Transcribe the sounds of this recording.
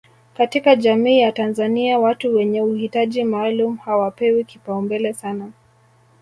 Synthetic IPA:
katikaʄamiːjatanzaniawatuwɛɲɛuhitaʄimaːlumuhawapɛwikipaumbɛlɛsana

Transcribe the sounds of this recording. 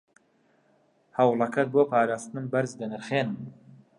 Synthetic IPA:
hɐwlˠɐkʰɐt̪̚boːpʰaːɾaːst̪ɨnɨmbɐɾzd̪ɐnɨɾχeːnɨm

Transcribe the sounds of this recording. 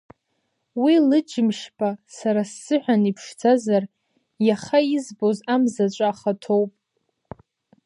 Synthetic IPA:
wilɨd͡ʒɪmʃpʰʼasaɾasːɨħʷᶣanipʰʂt͡sʰazar | jaχaizbozamzat͡ʃʷʼaːχatʰowpʼ

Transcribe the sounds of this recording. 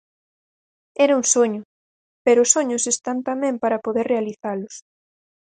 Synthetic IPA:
ɛɾɐuŋsoɲʊ | peɾʊːsoɲʊsest̪ant̪amɛ̃mpaɾɐpoðeɾrealiθalʊs

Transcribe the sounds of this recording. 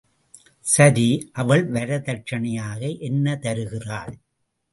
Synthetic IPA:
sɐðiʔɐʋɐɭʋɐɾɐðɐt͡ʃɐɳɐjaːɣɐʔɛnːɐt̪ɐɾɯɣɪraːɭ

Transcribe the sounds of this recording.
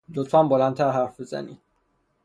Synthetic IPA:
lot̪fænbolænt̪ʰæɾɦæɾfbezæ̰nḭ̥

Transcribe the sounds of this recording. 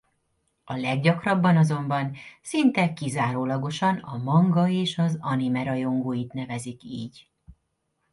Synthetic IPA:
ɒlɛɡɟɒkrɒbːɒnɒzo̞mbɒnsint̪ɛkizaːɾoːlɒɡo̞ʃɒnɒ̰mɒŋɡɒeːʃɒzɒnimɛɾɒjo̞ŋɡoːjit̪nɛvɛzikḭːɟ

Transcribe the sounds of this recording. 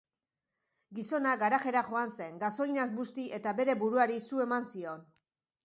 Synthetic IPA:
ɡiso̞naɡaɾaxe̞ɾaʝo̞anse̞ŋɡaso̞linazbust̪ie̞t̪abe̞ɾe̞buɾuaɾisue̞mansio̞n

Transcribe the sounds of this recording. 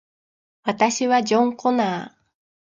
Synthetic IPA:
βat̪aɕiβad͡ʑõ̞ŋko̞naː

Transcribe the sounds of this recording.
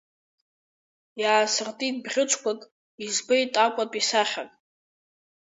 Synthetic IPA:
jaːsɨrtʼidbʁʲɪt͡ʃʷʰkʷʰʼatʼ | izbajtʼakʷʼatʼisaχʲakʼ

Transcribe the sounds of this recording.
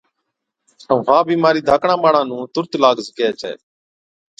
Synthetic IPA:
əʋãːbʱiːmaːɾiːd̪ʱaːkɳãːmaːɽãːnũːt̪ʊɾt̪laːɡzkeɛːt͡ʃʰɛ̰ː

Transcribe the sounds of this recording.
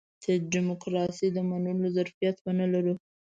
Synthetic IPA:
d̪̥əɖɪmʊkɾɑsid̪əmanulozaɾfijat̪wənəlaɾu

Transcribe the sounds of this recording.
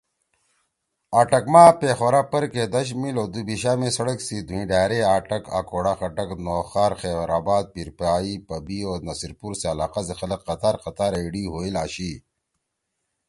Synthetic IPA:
aːʈɐkmaːpeːxʋɐɾapɐɾked̪ɐɕ̬miloːd̪ubiɕaːmẽsɐɽɐksid̪ʱuĩːɖaːɾeaːʈɐka̰koːɽaxɐʈɐknoːxaːɾxeːbɾaːbaːd̪̚piɾpaːipɐbioːnɐsiɾpuɾseɐlaːqasexɐlɐqːɐt̪aːɾqɐt̪aːɾeːɽiɦoːilaːɕiː

